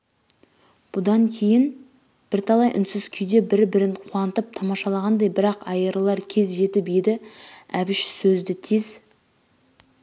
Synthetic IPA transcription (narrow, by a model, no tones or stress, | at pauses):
b̥ʊd̪ɑŋkʲʰe̞jɪn | b̥ɪɾt̪ʰɑlˠɑjʔʏ̰nsɪz̥kʲʰʏjd̪e̞bɪɾbɪɾɪnqʰuwɑnət̪əp̚t̪ʰɑmɑʃɑlˠɑʁɑnd̪ɑjbɪɾɑqɑjəɾlˠɑɾkʲʰe̞zʒe̞t̪ɪped̪ɪæbɪʃsɵzd̪ɪt̪ʰiz̥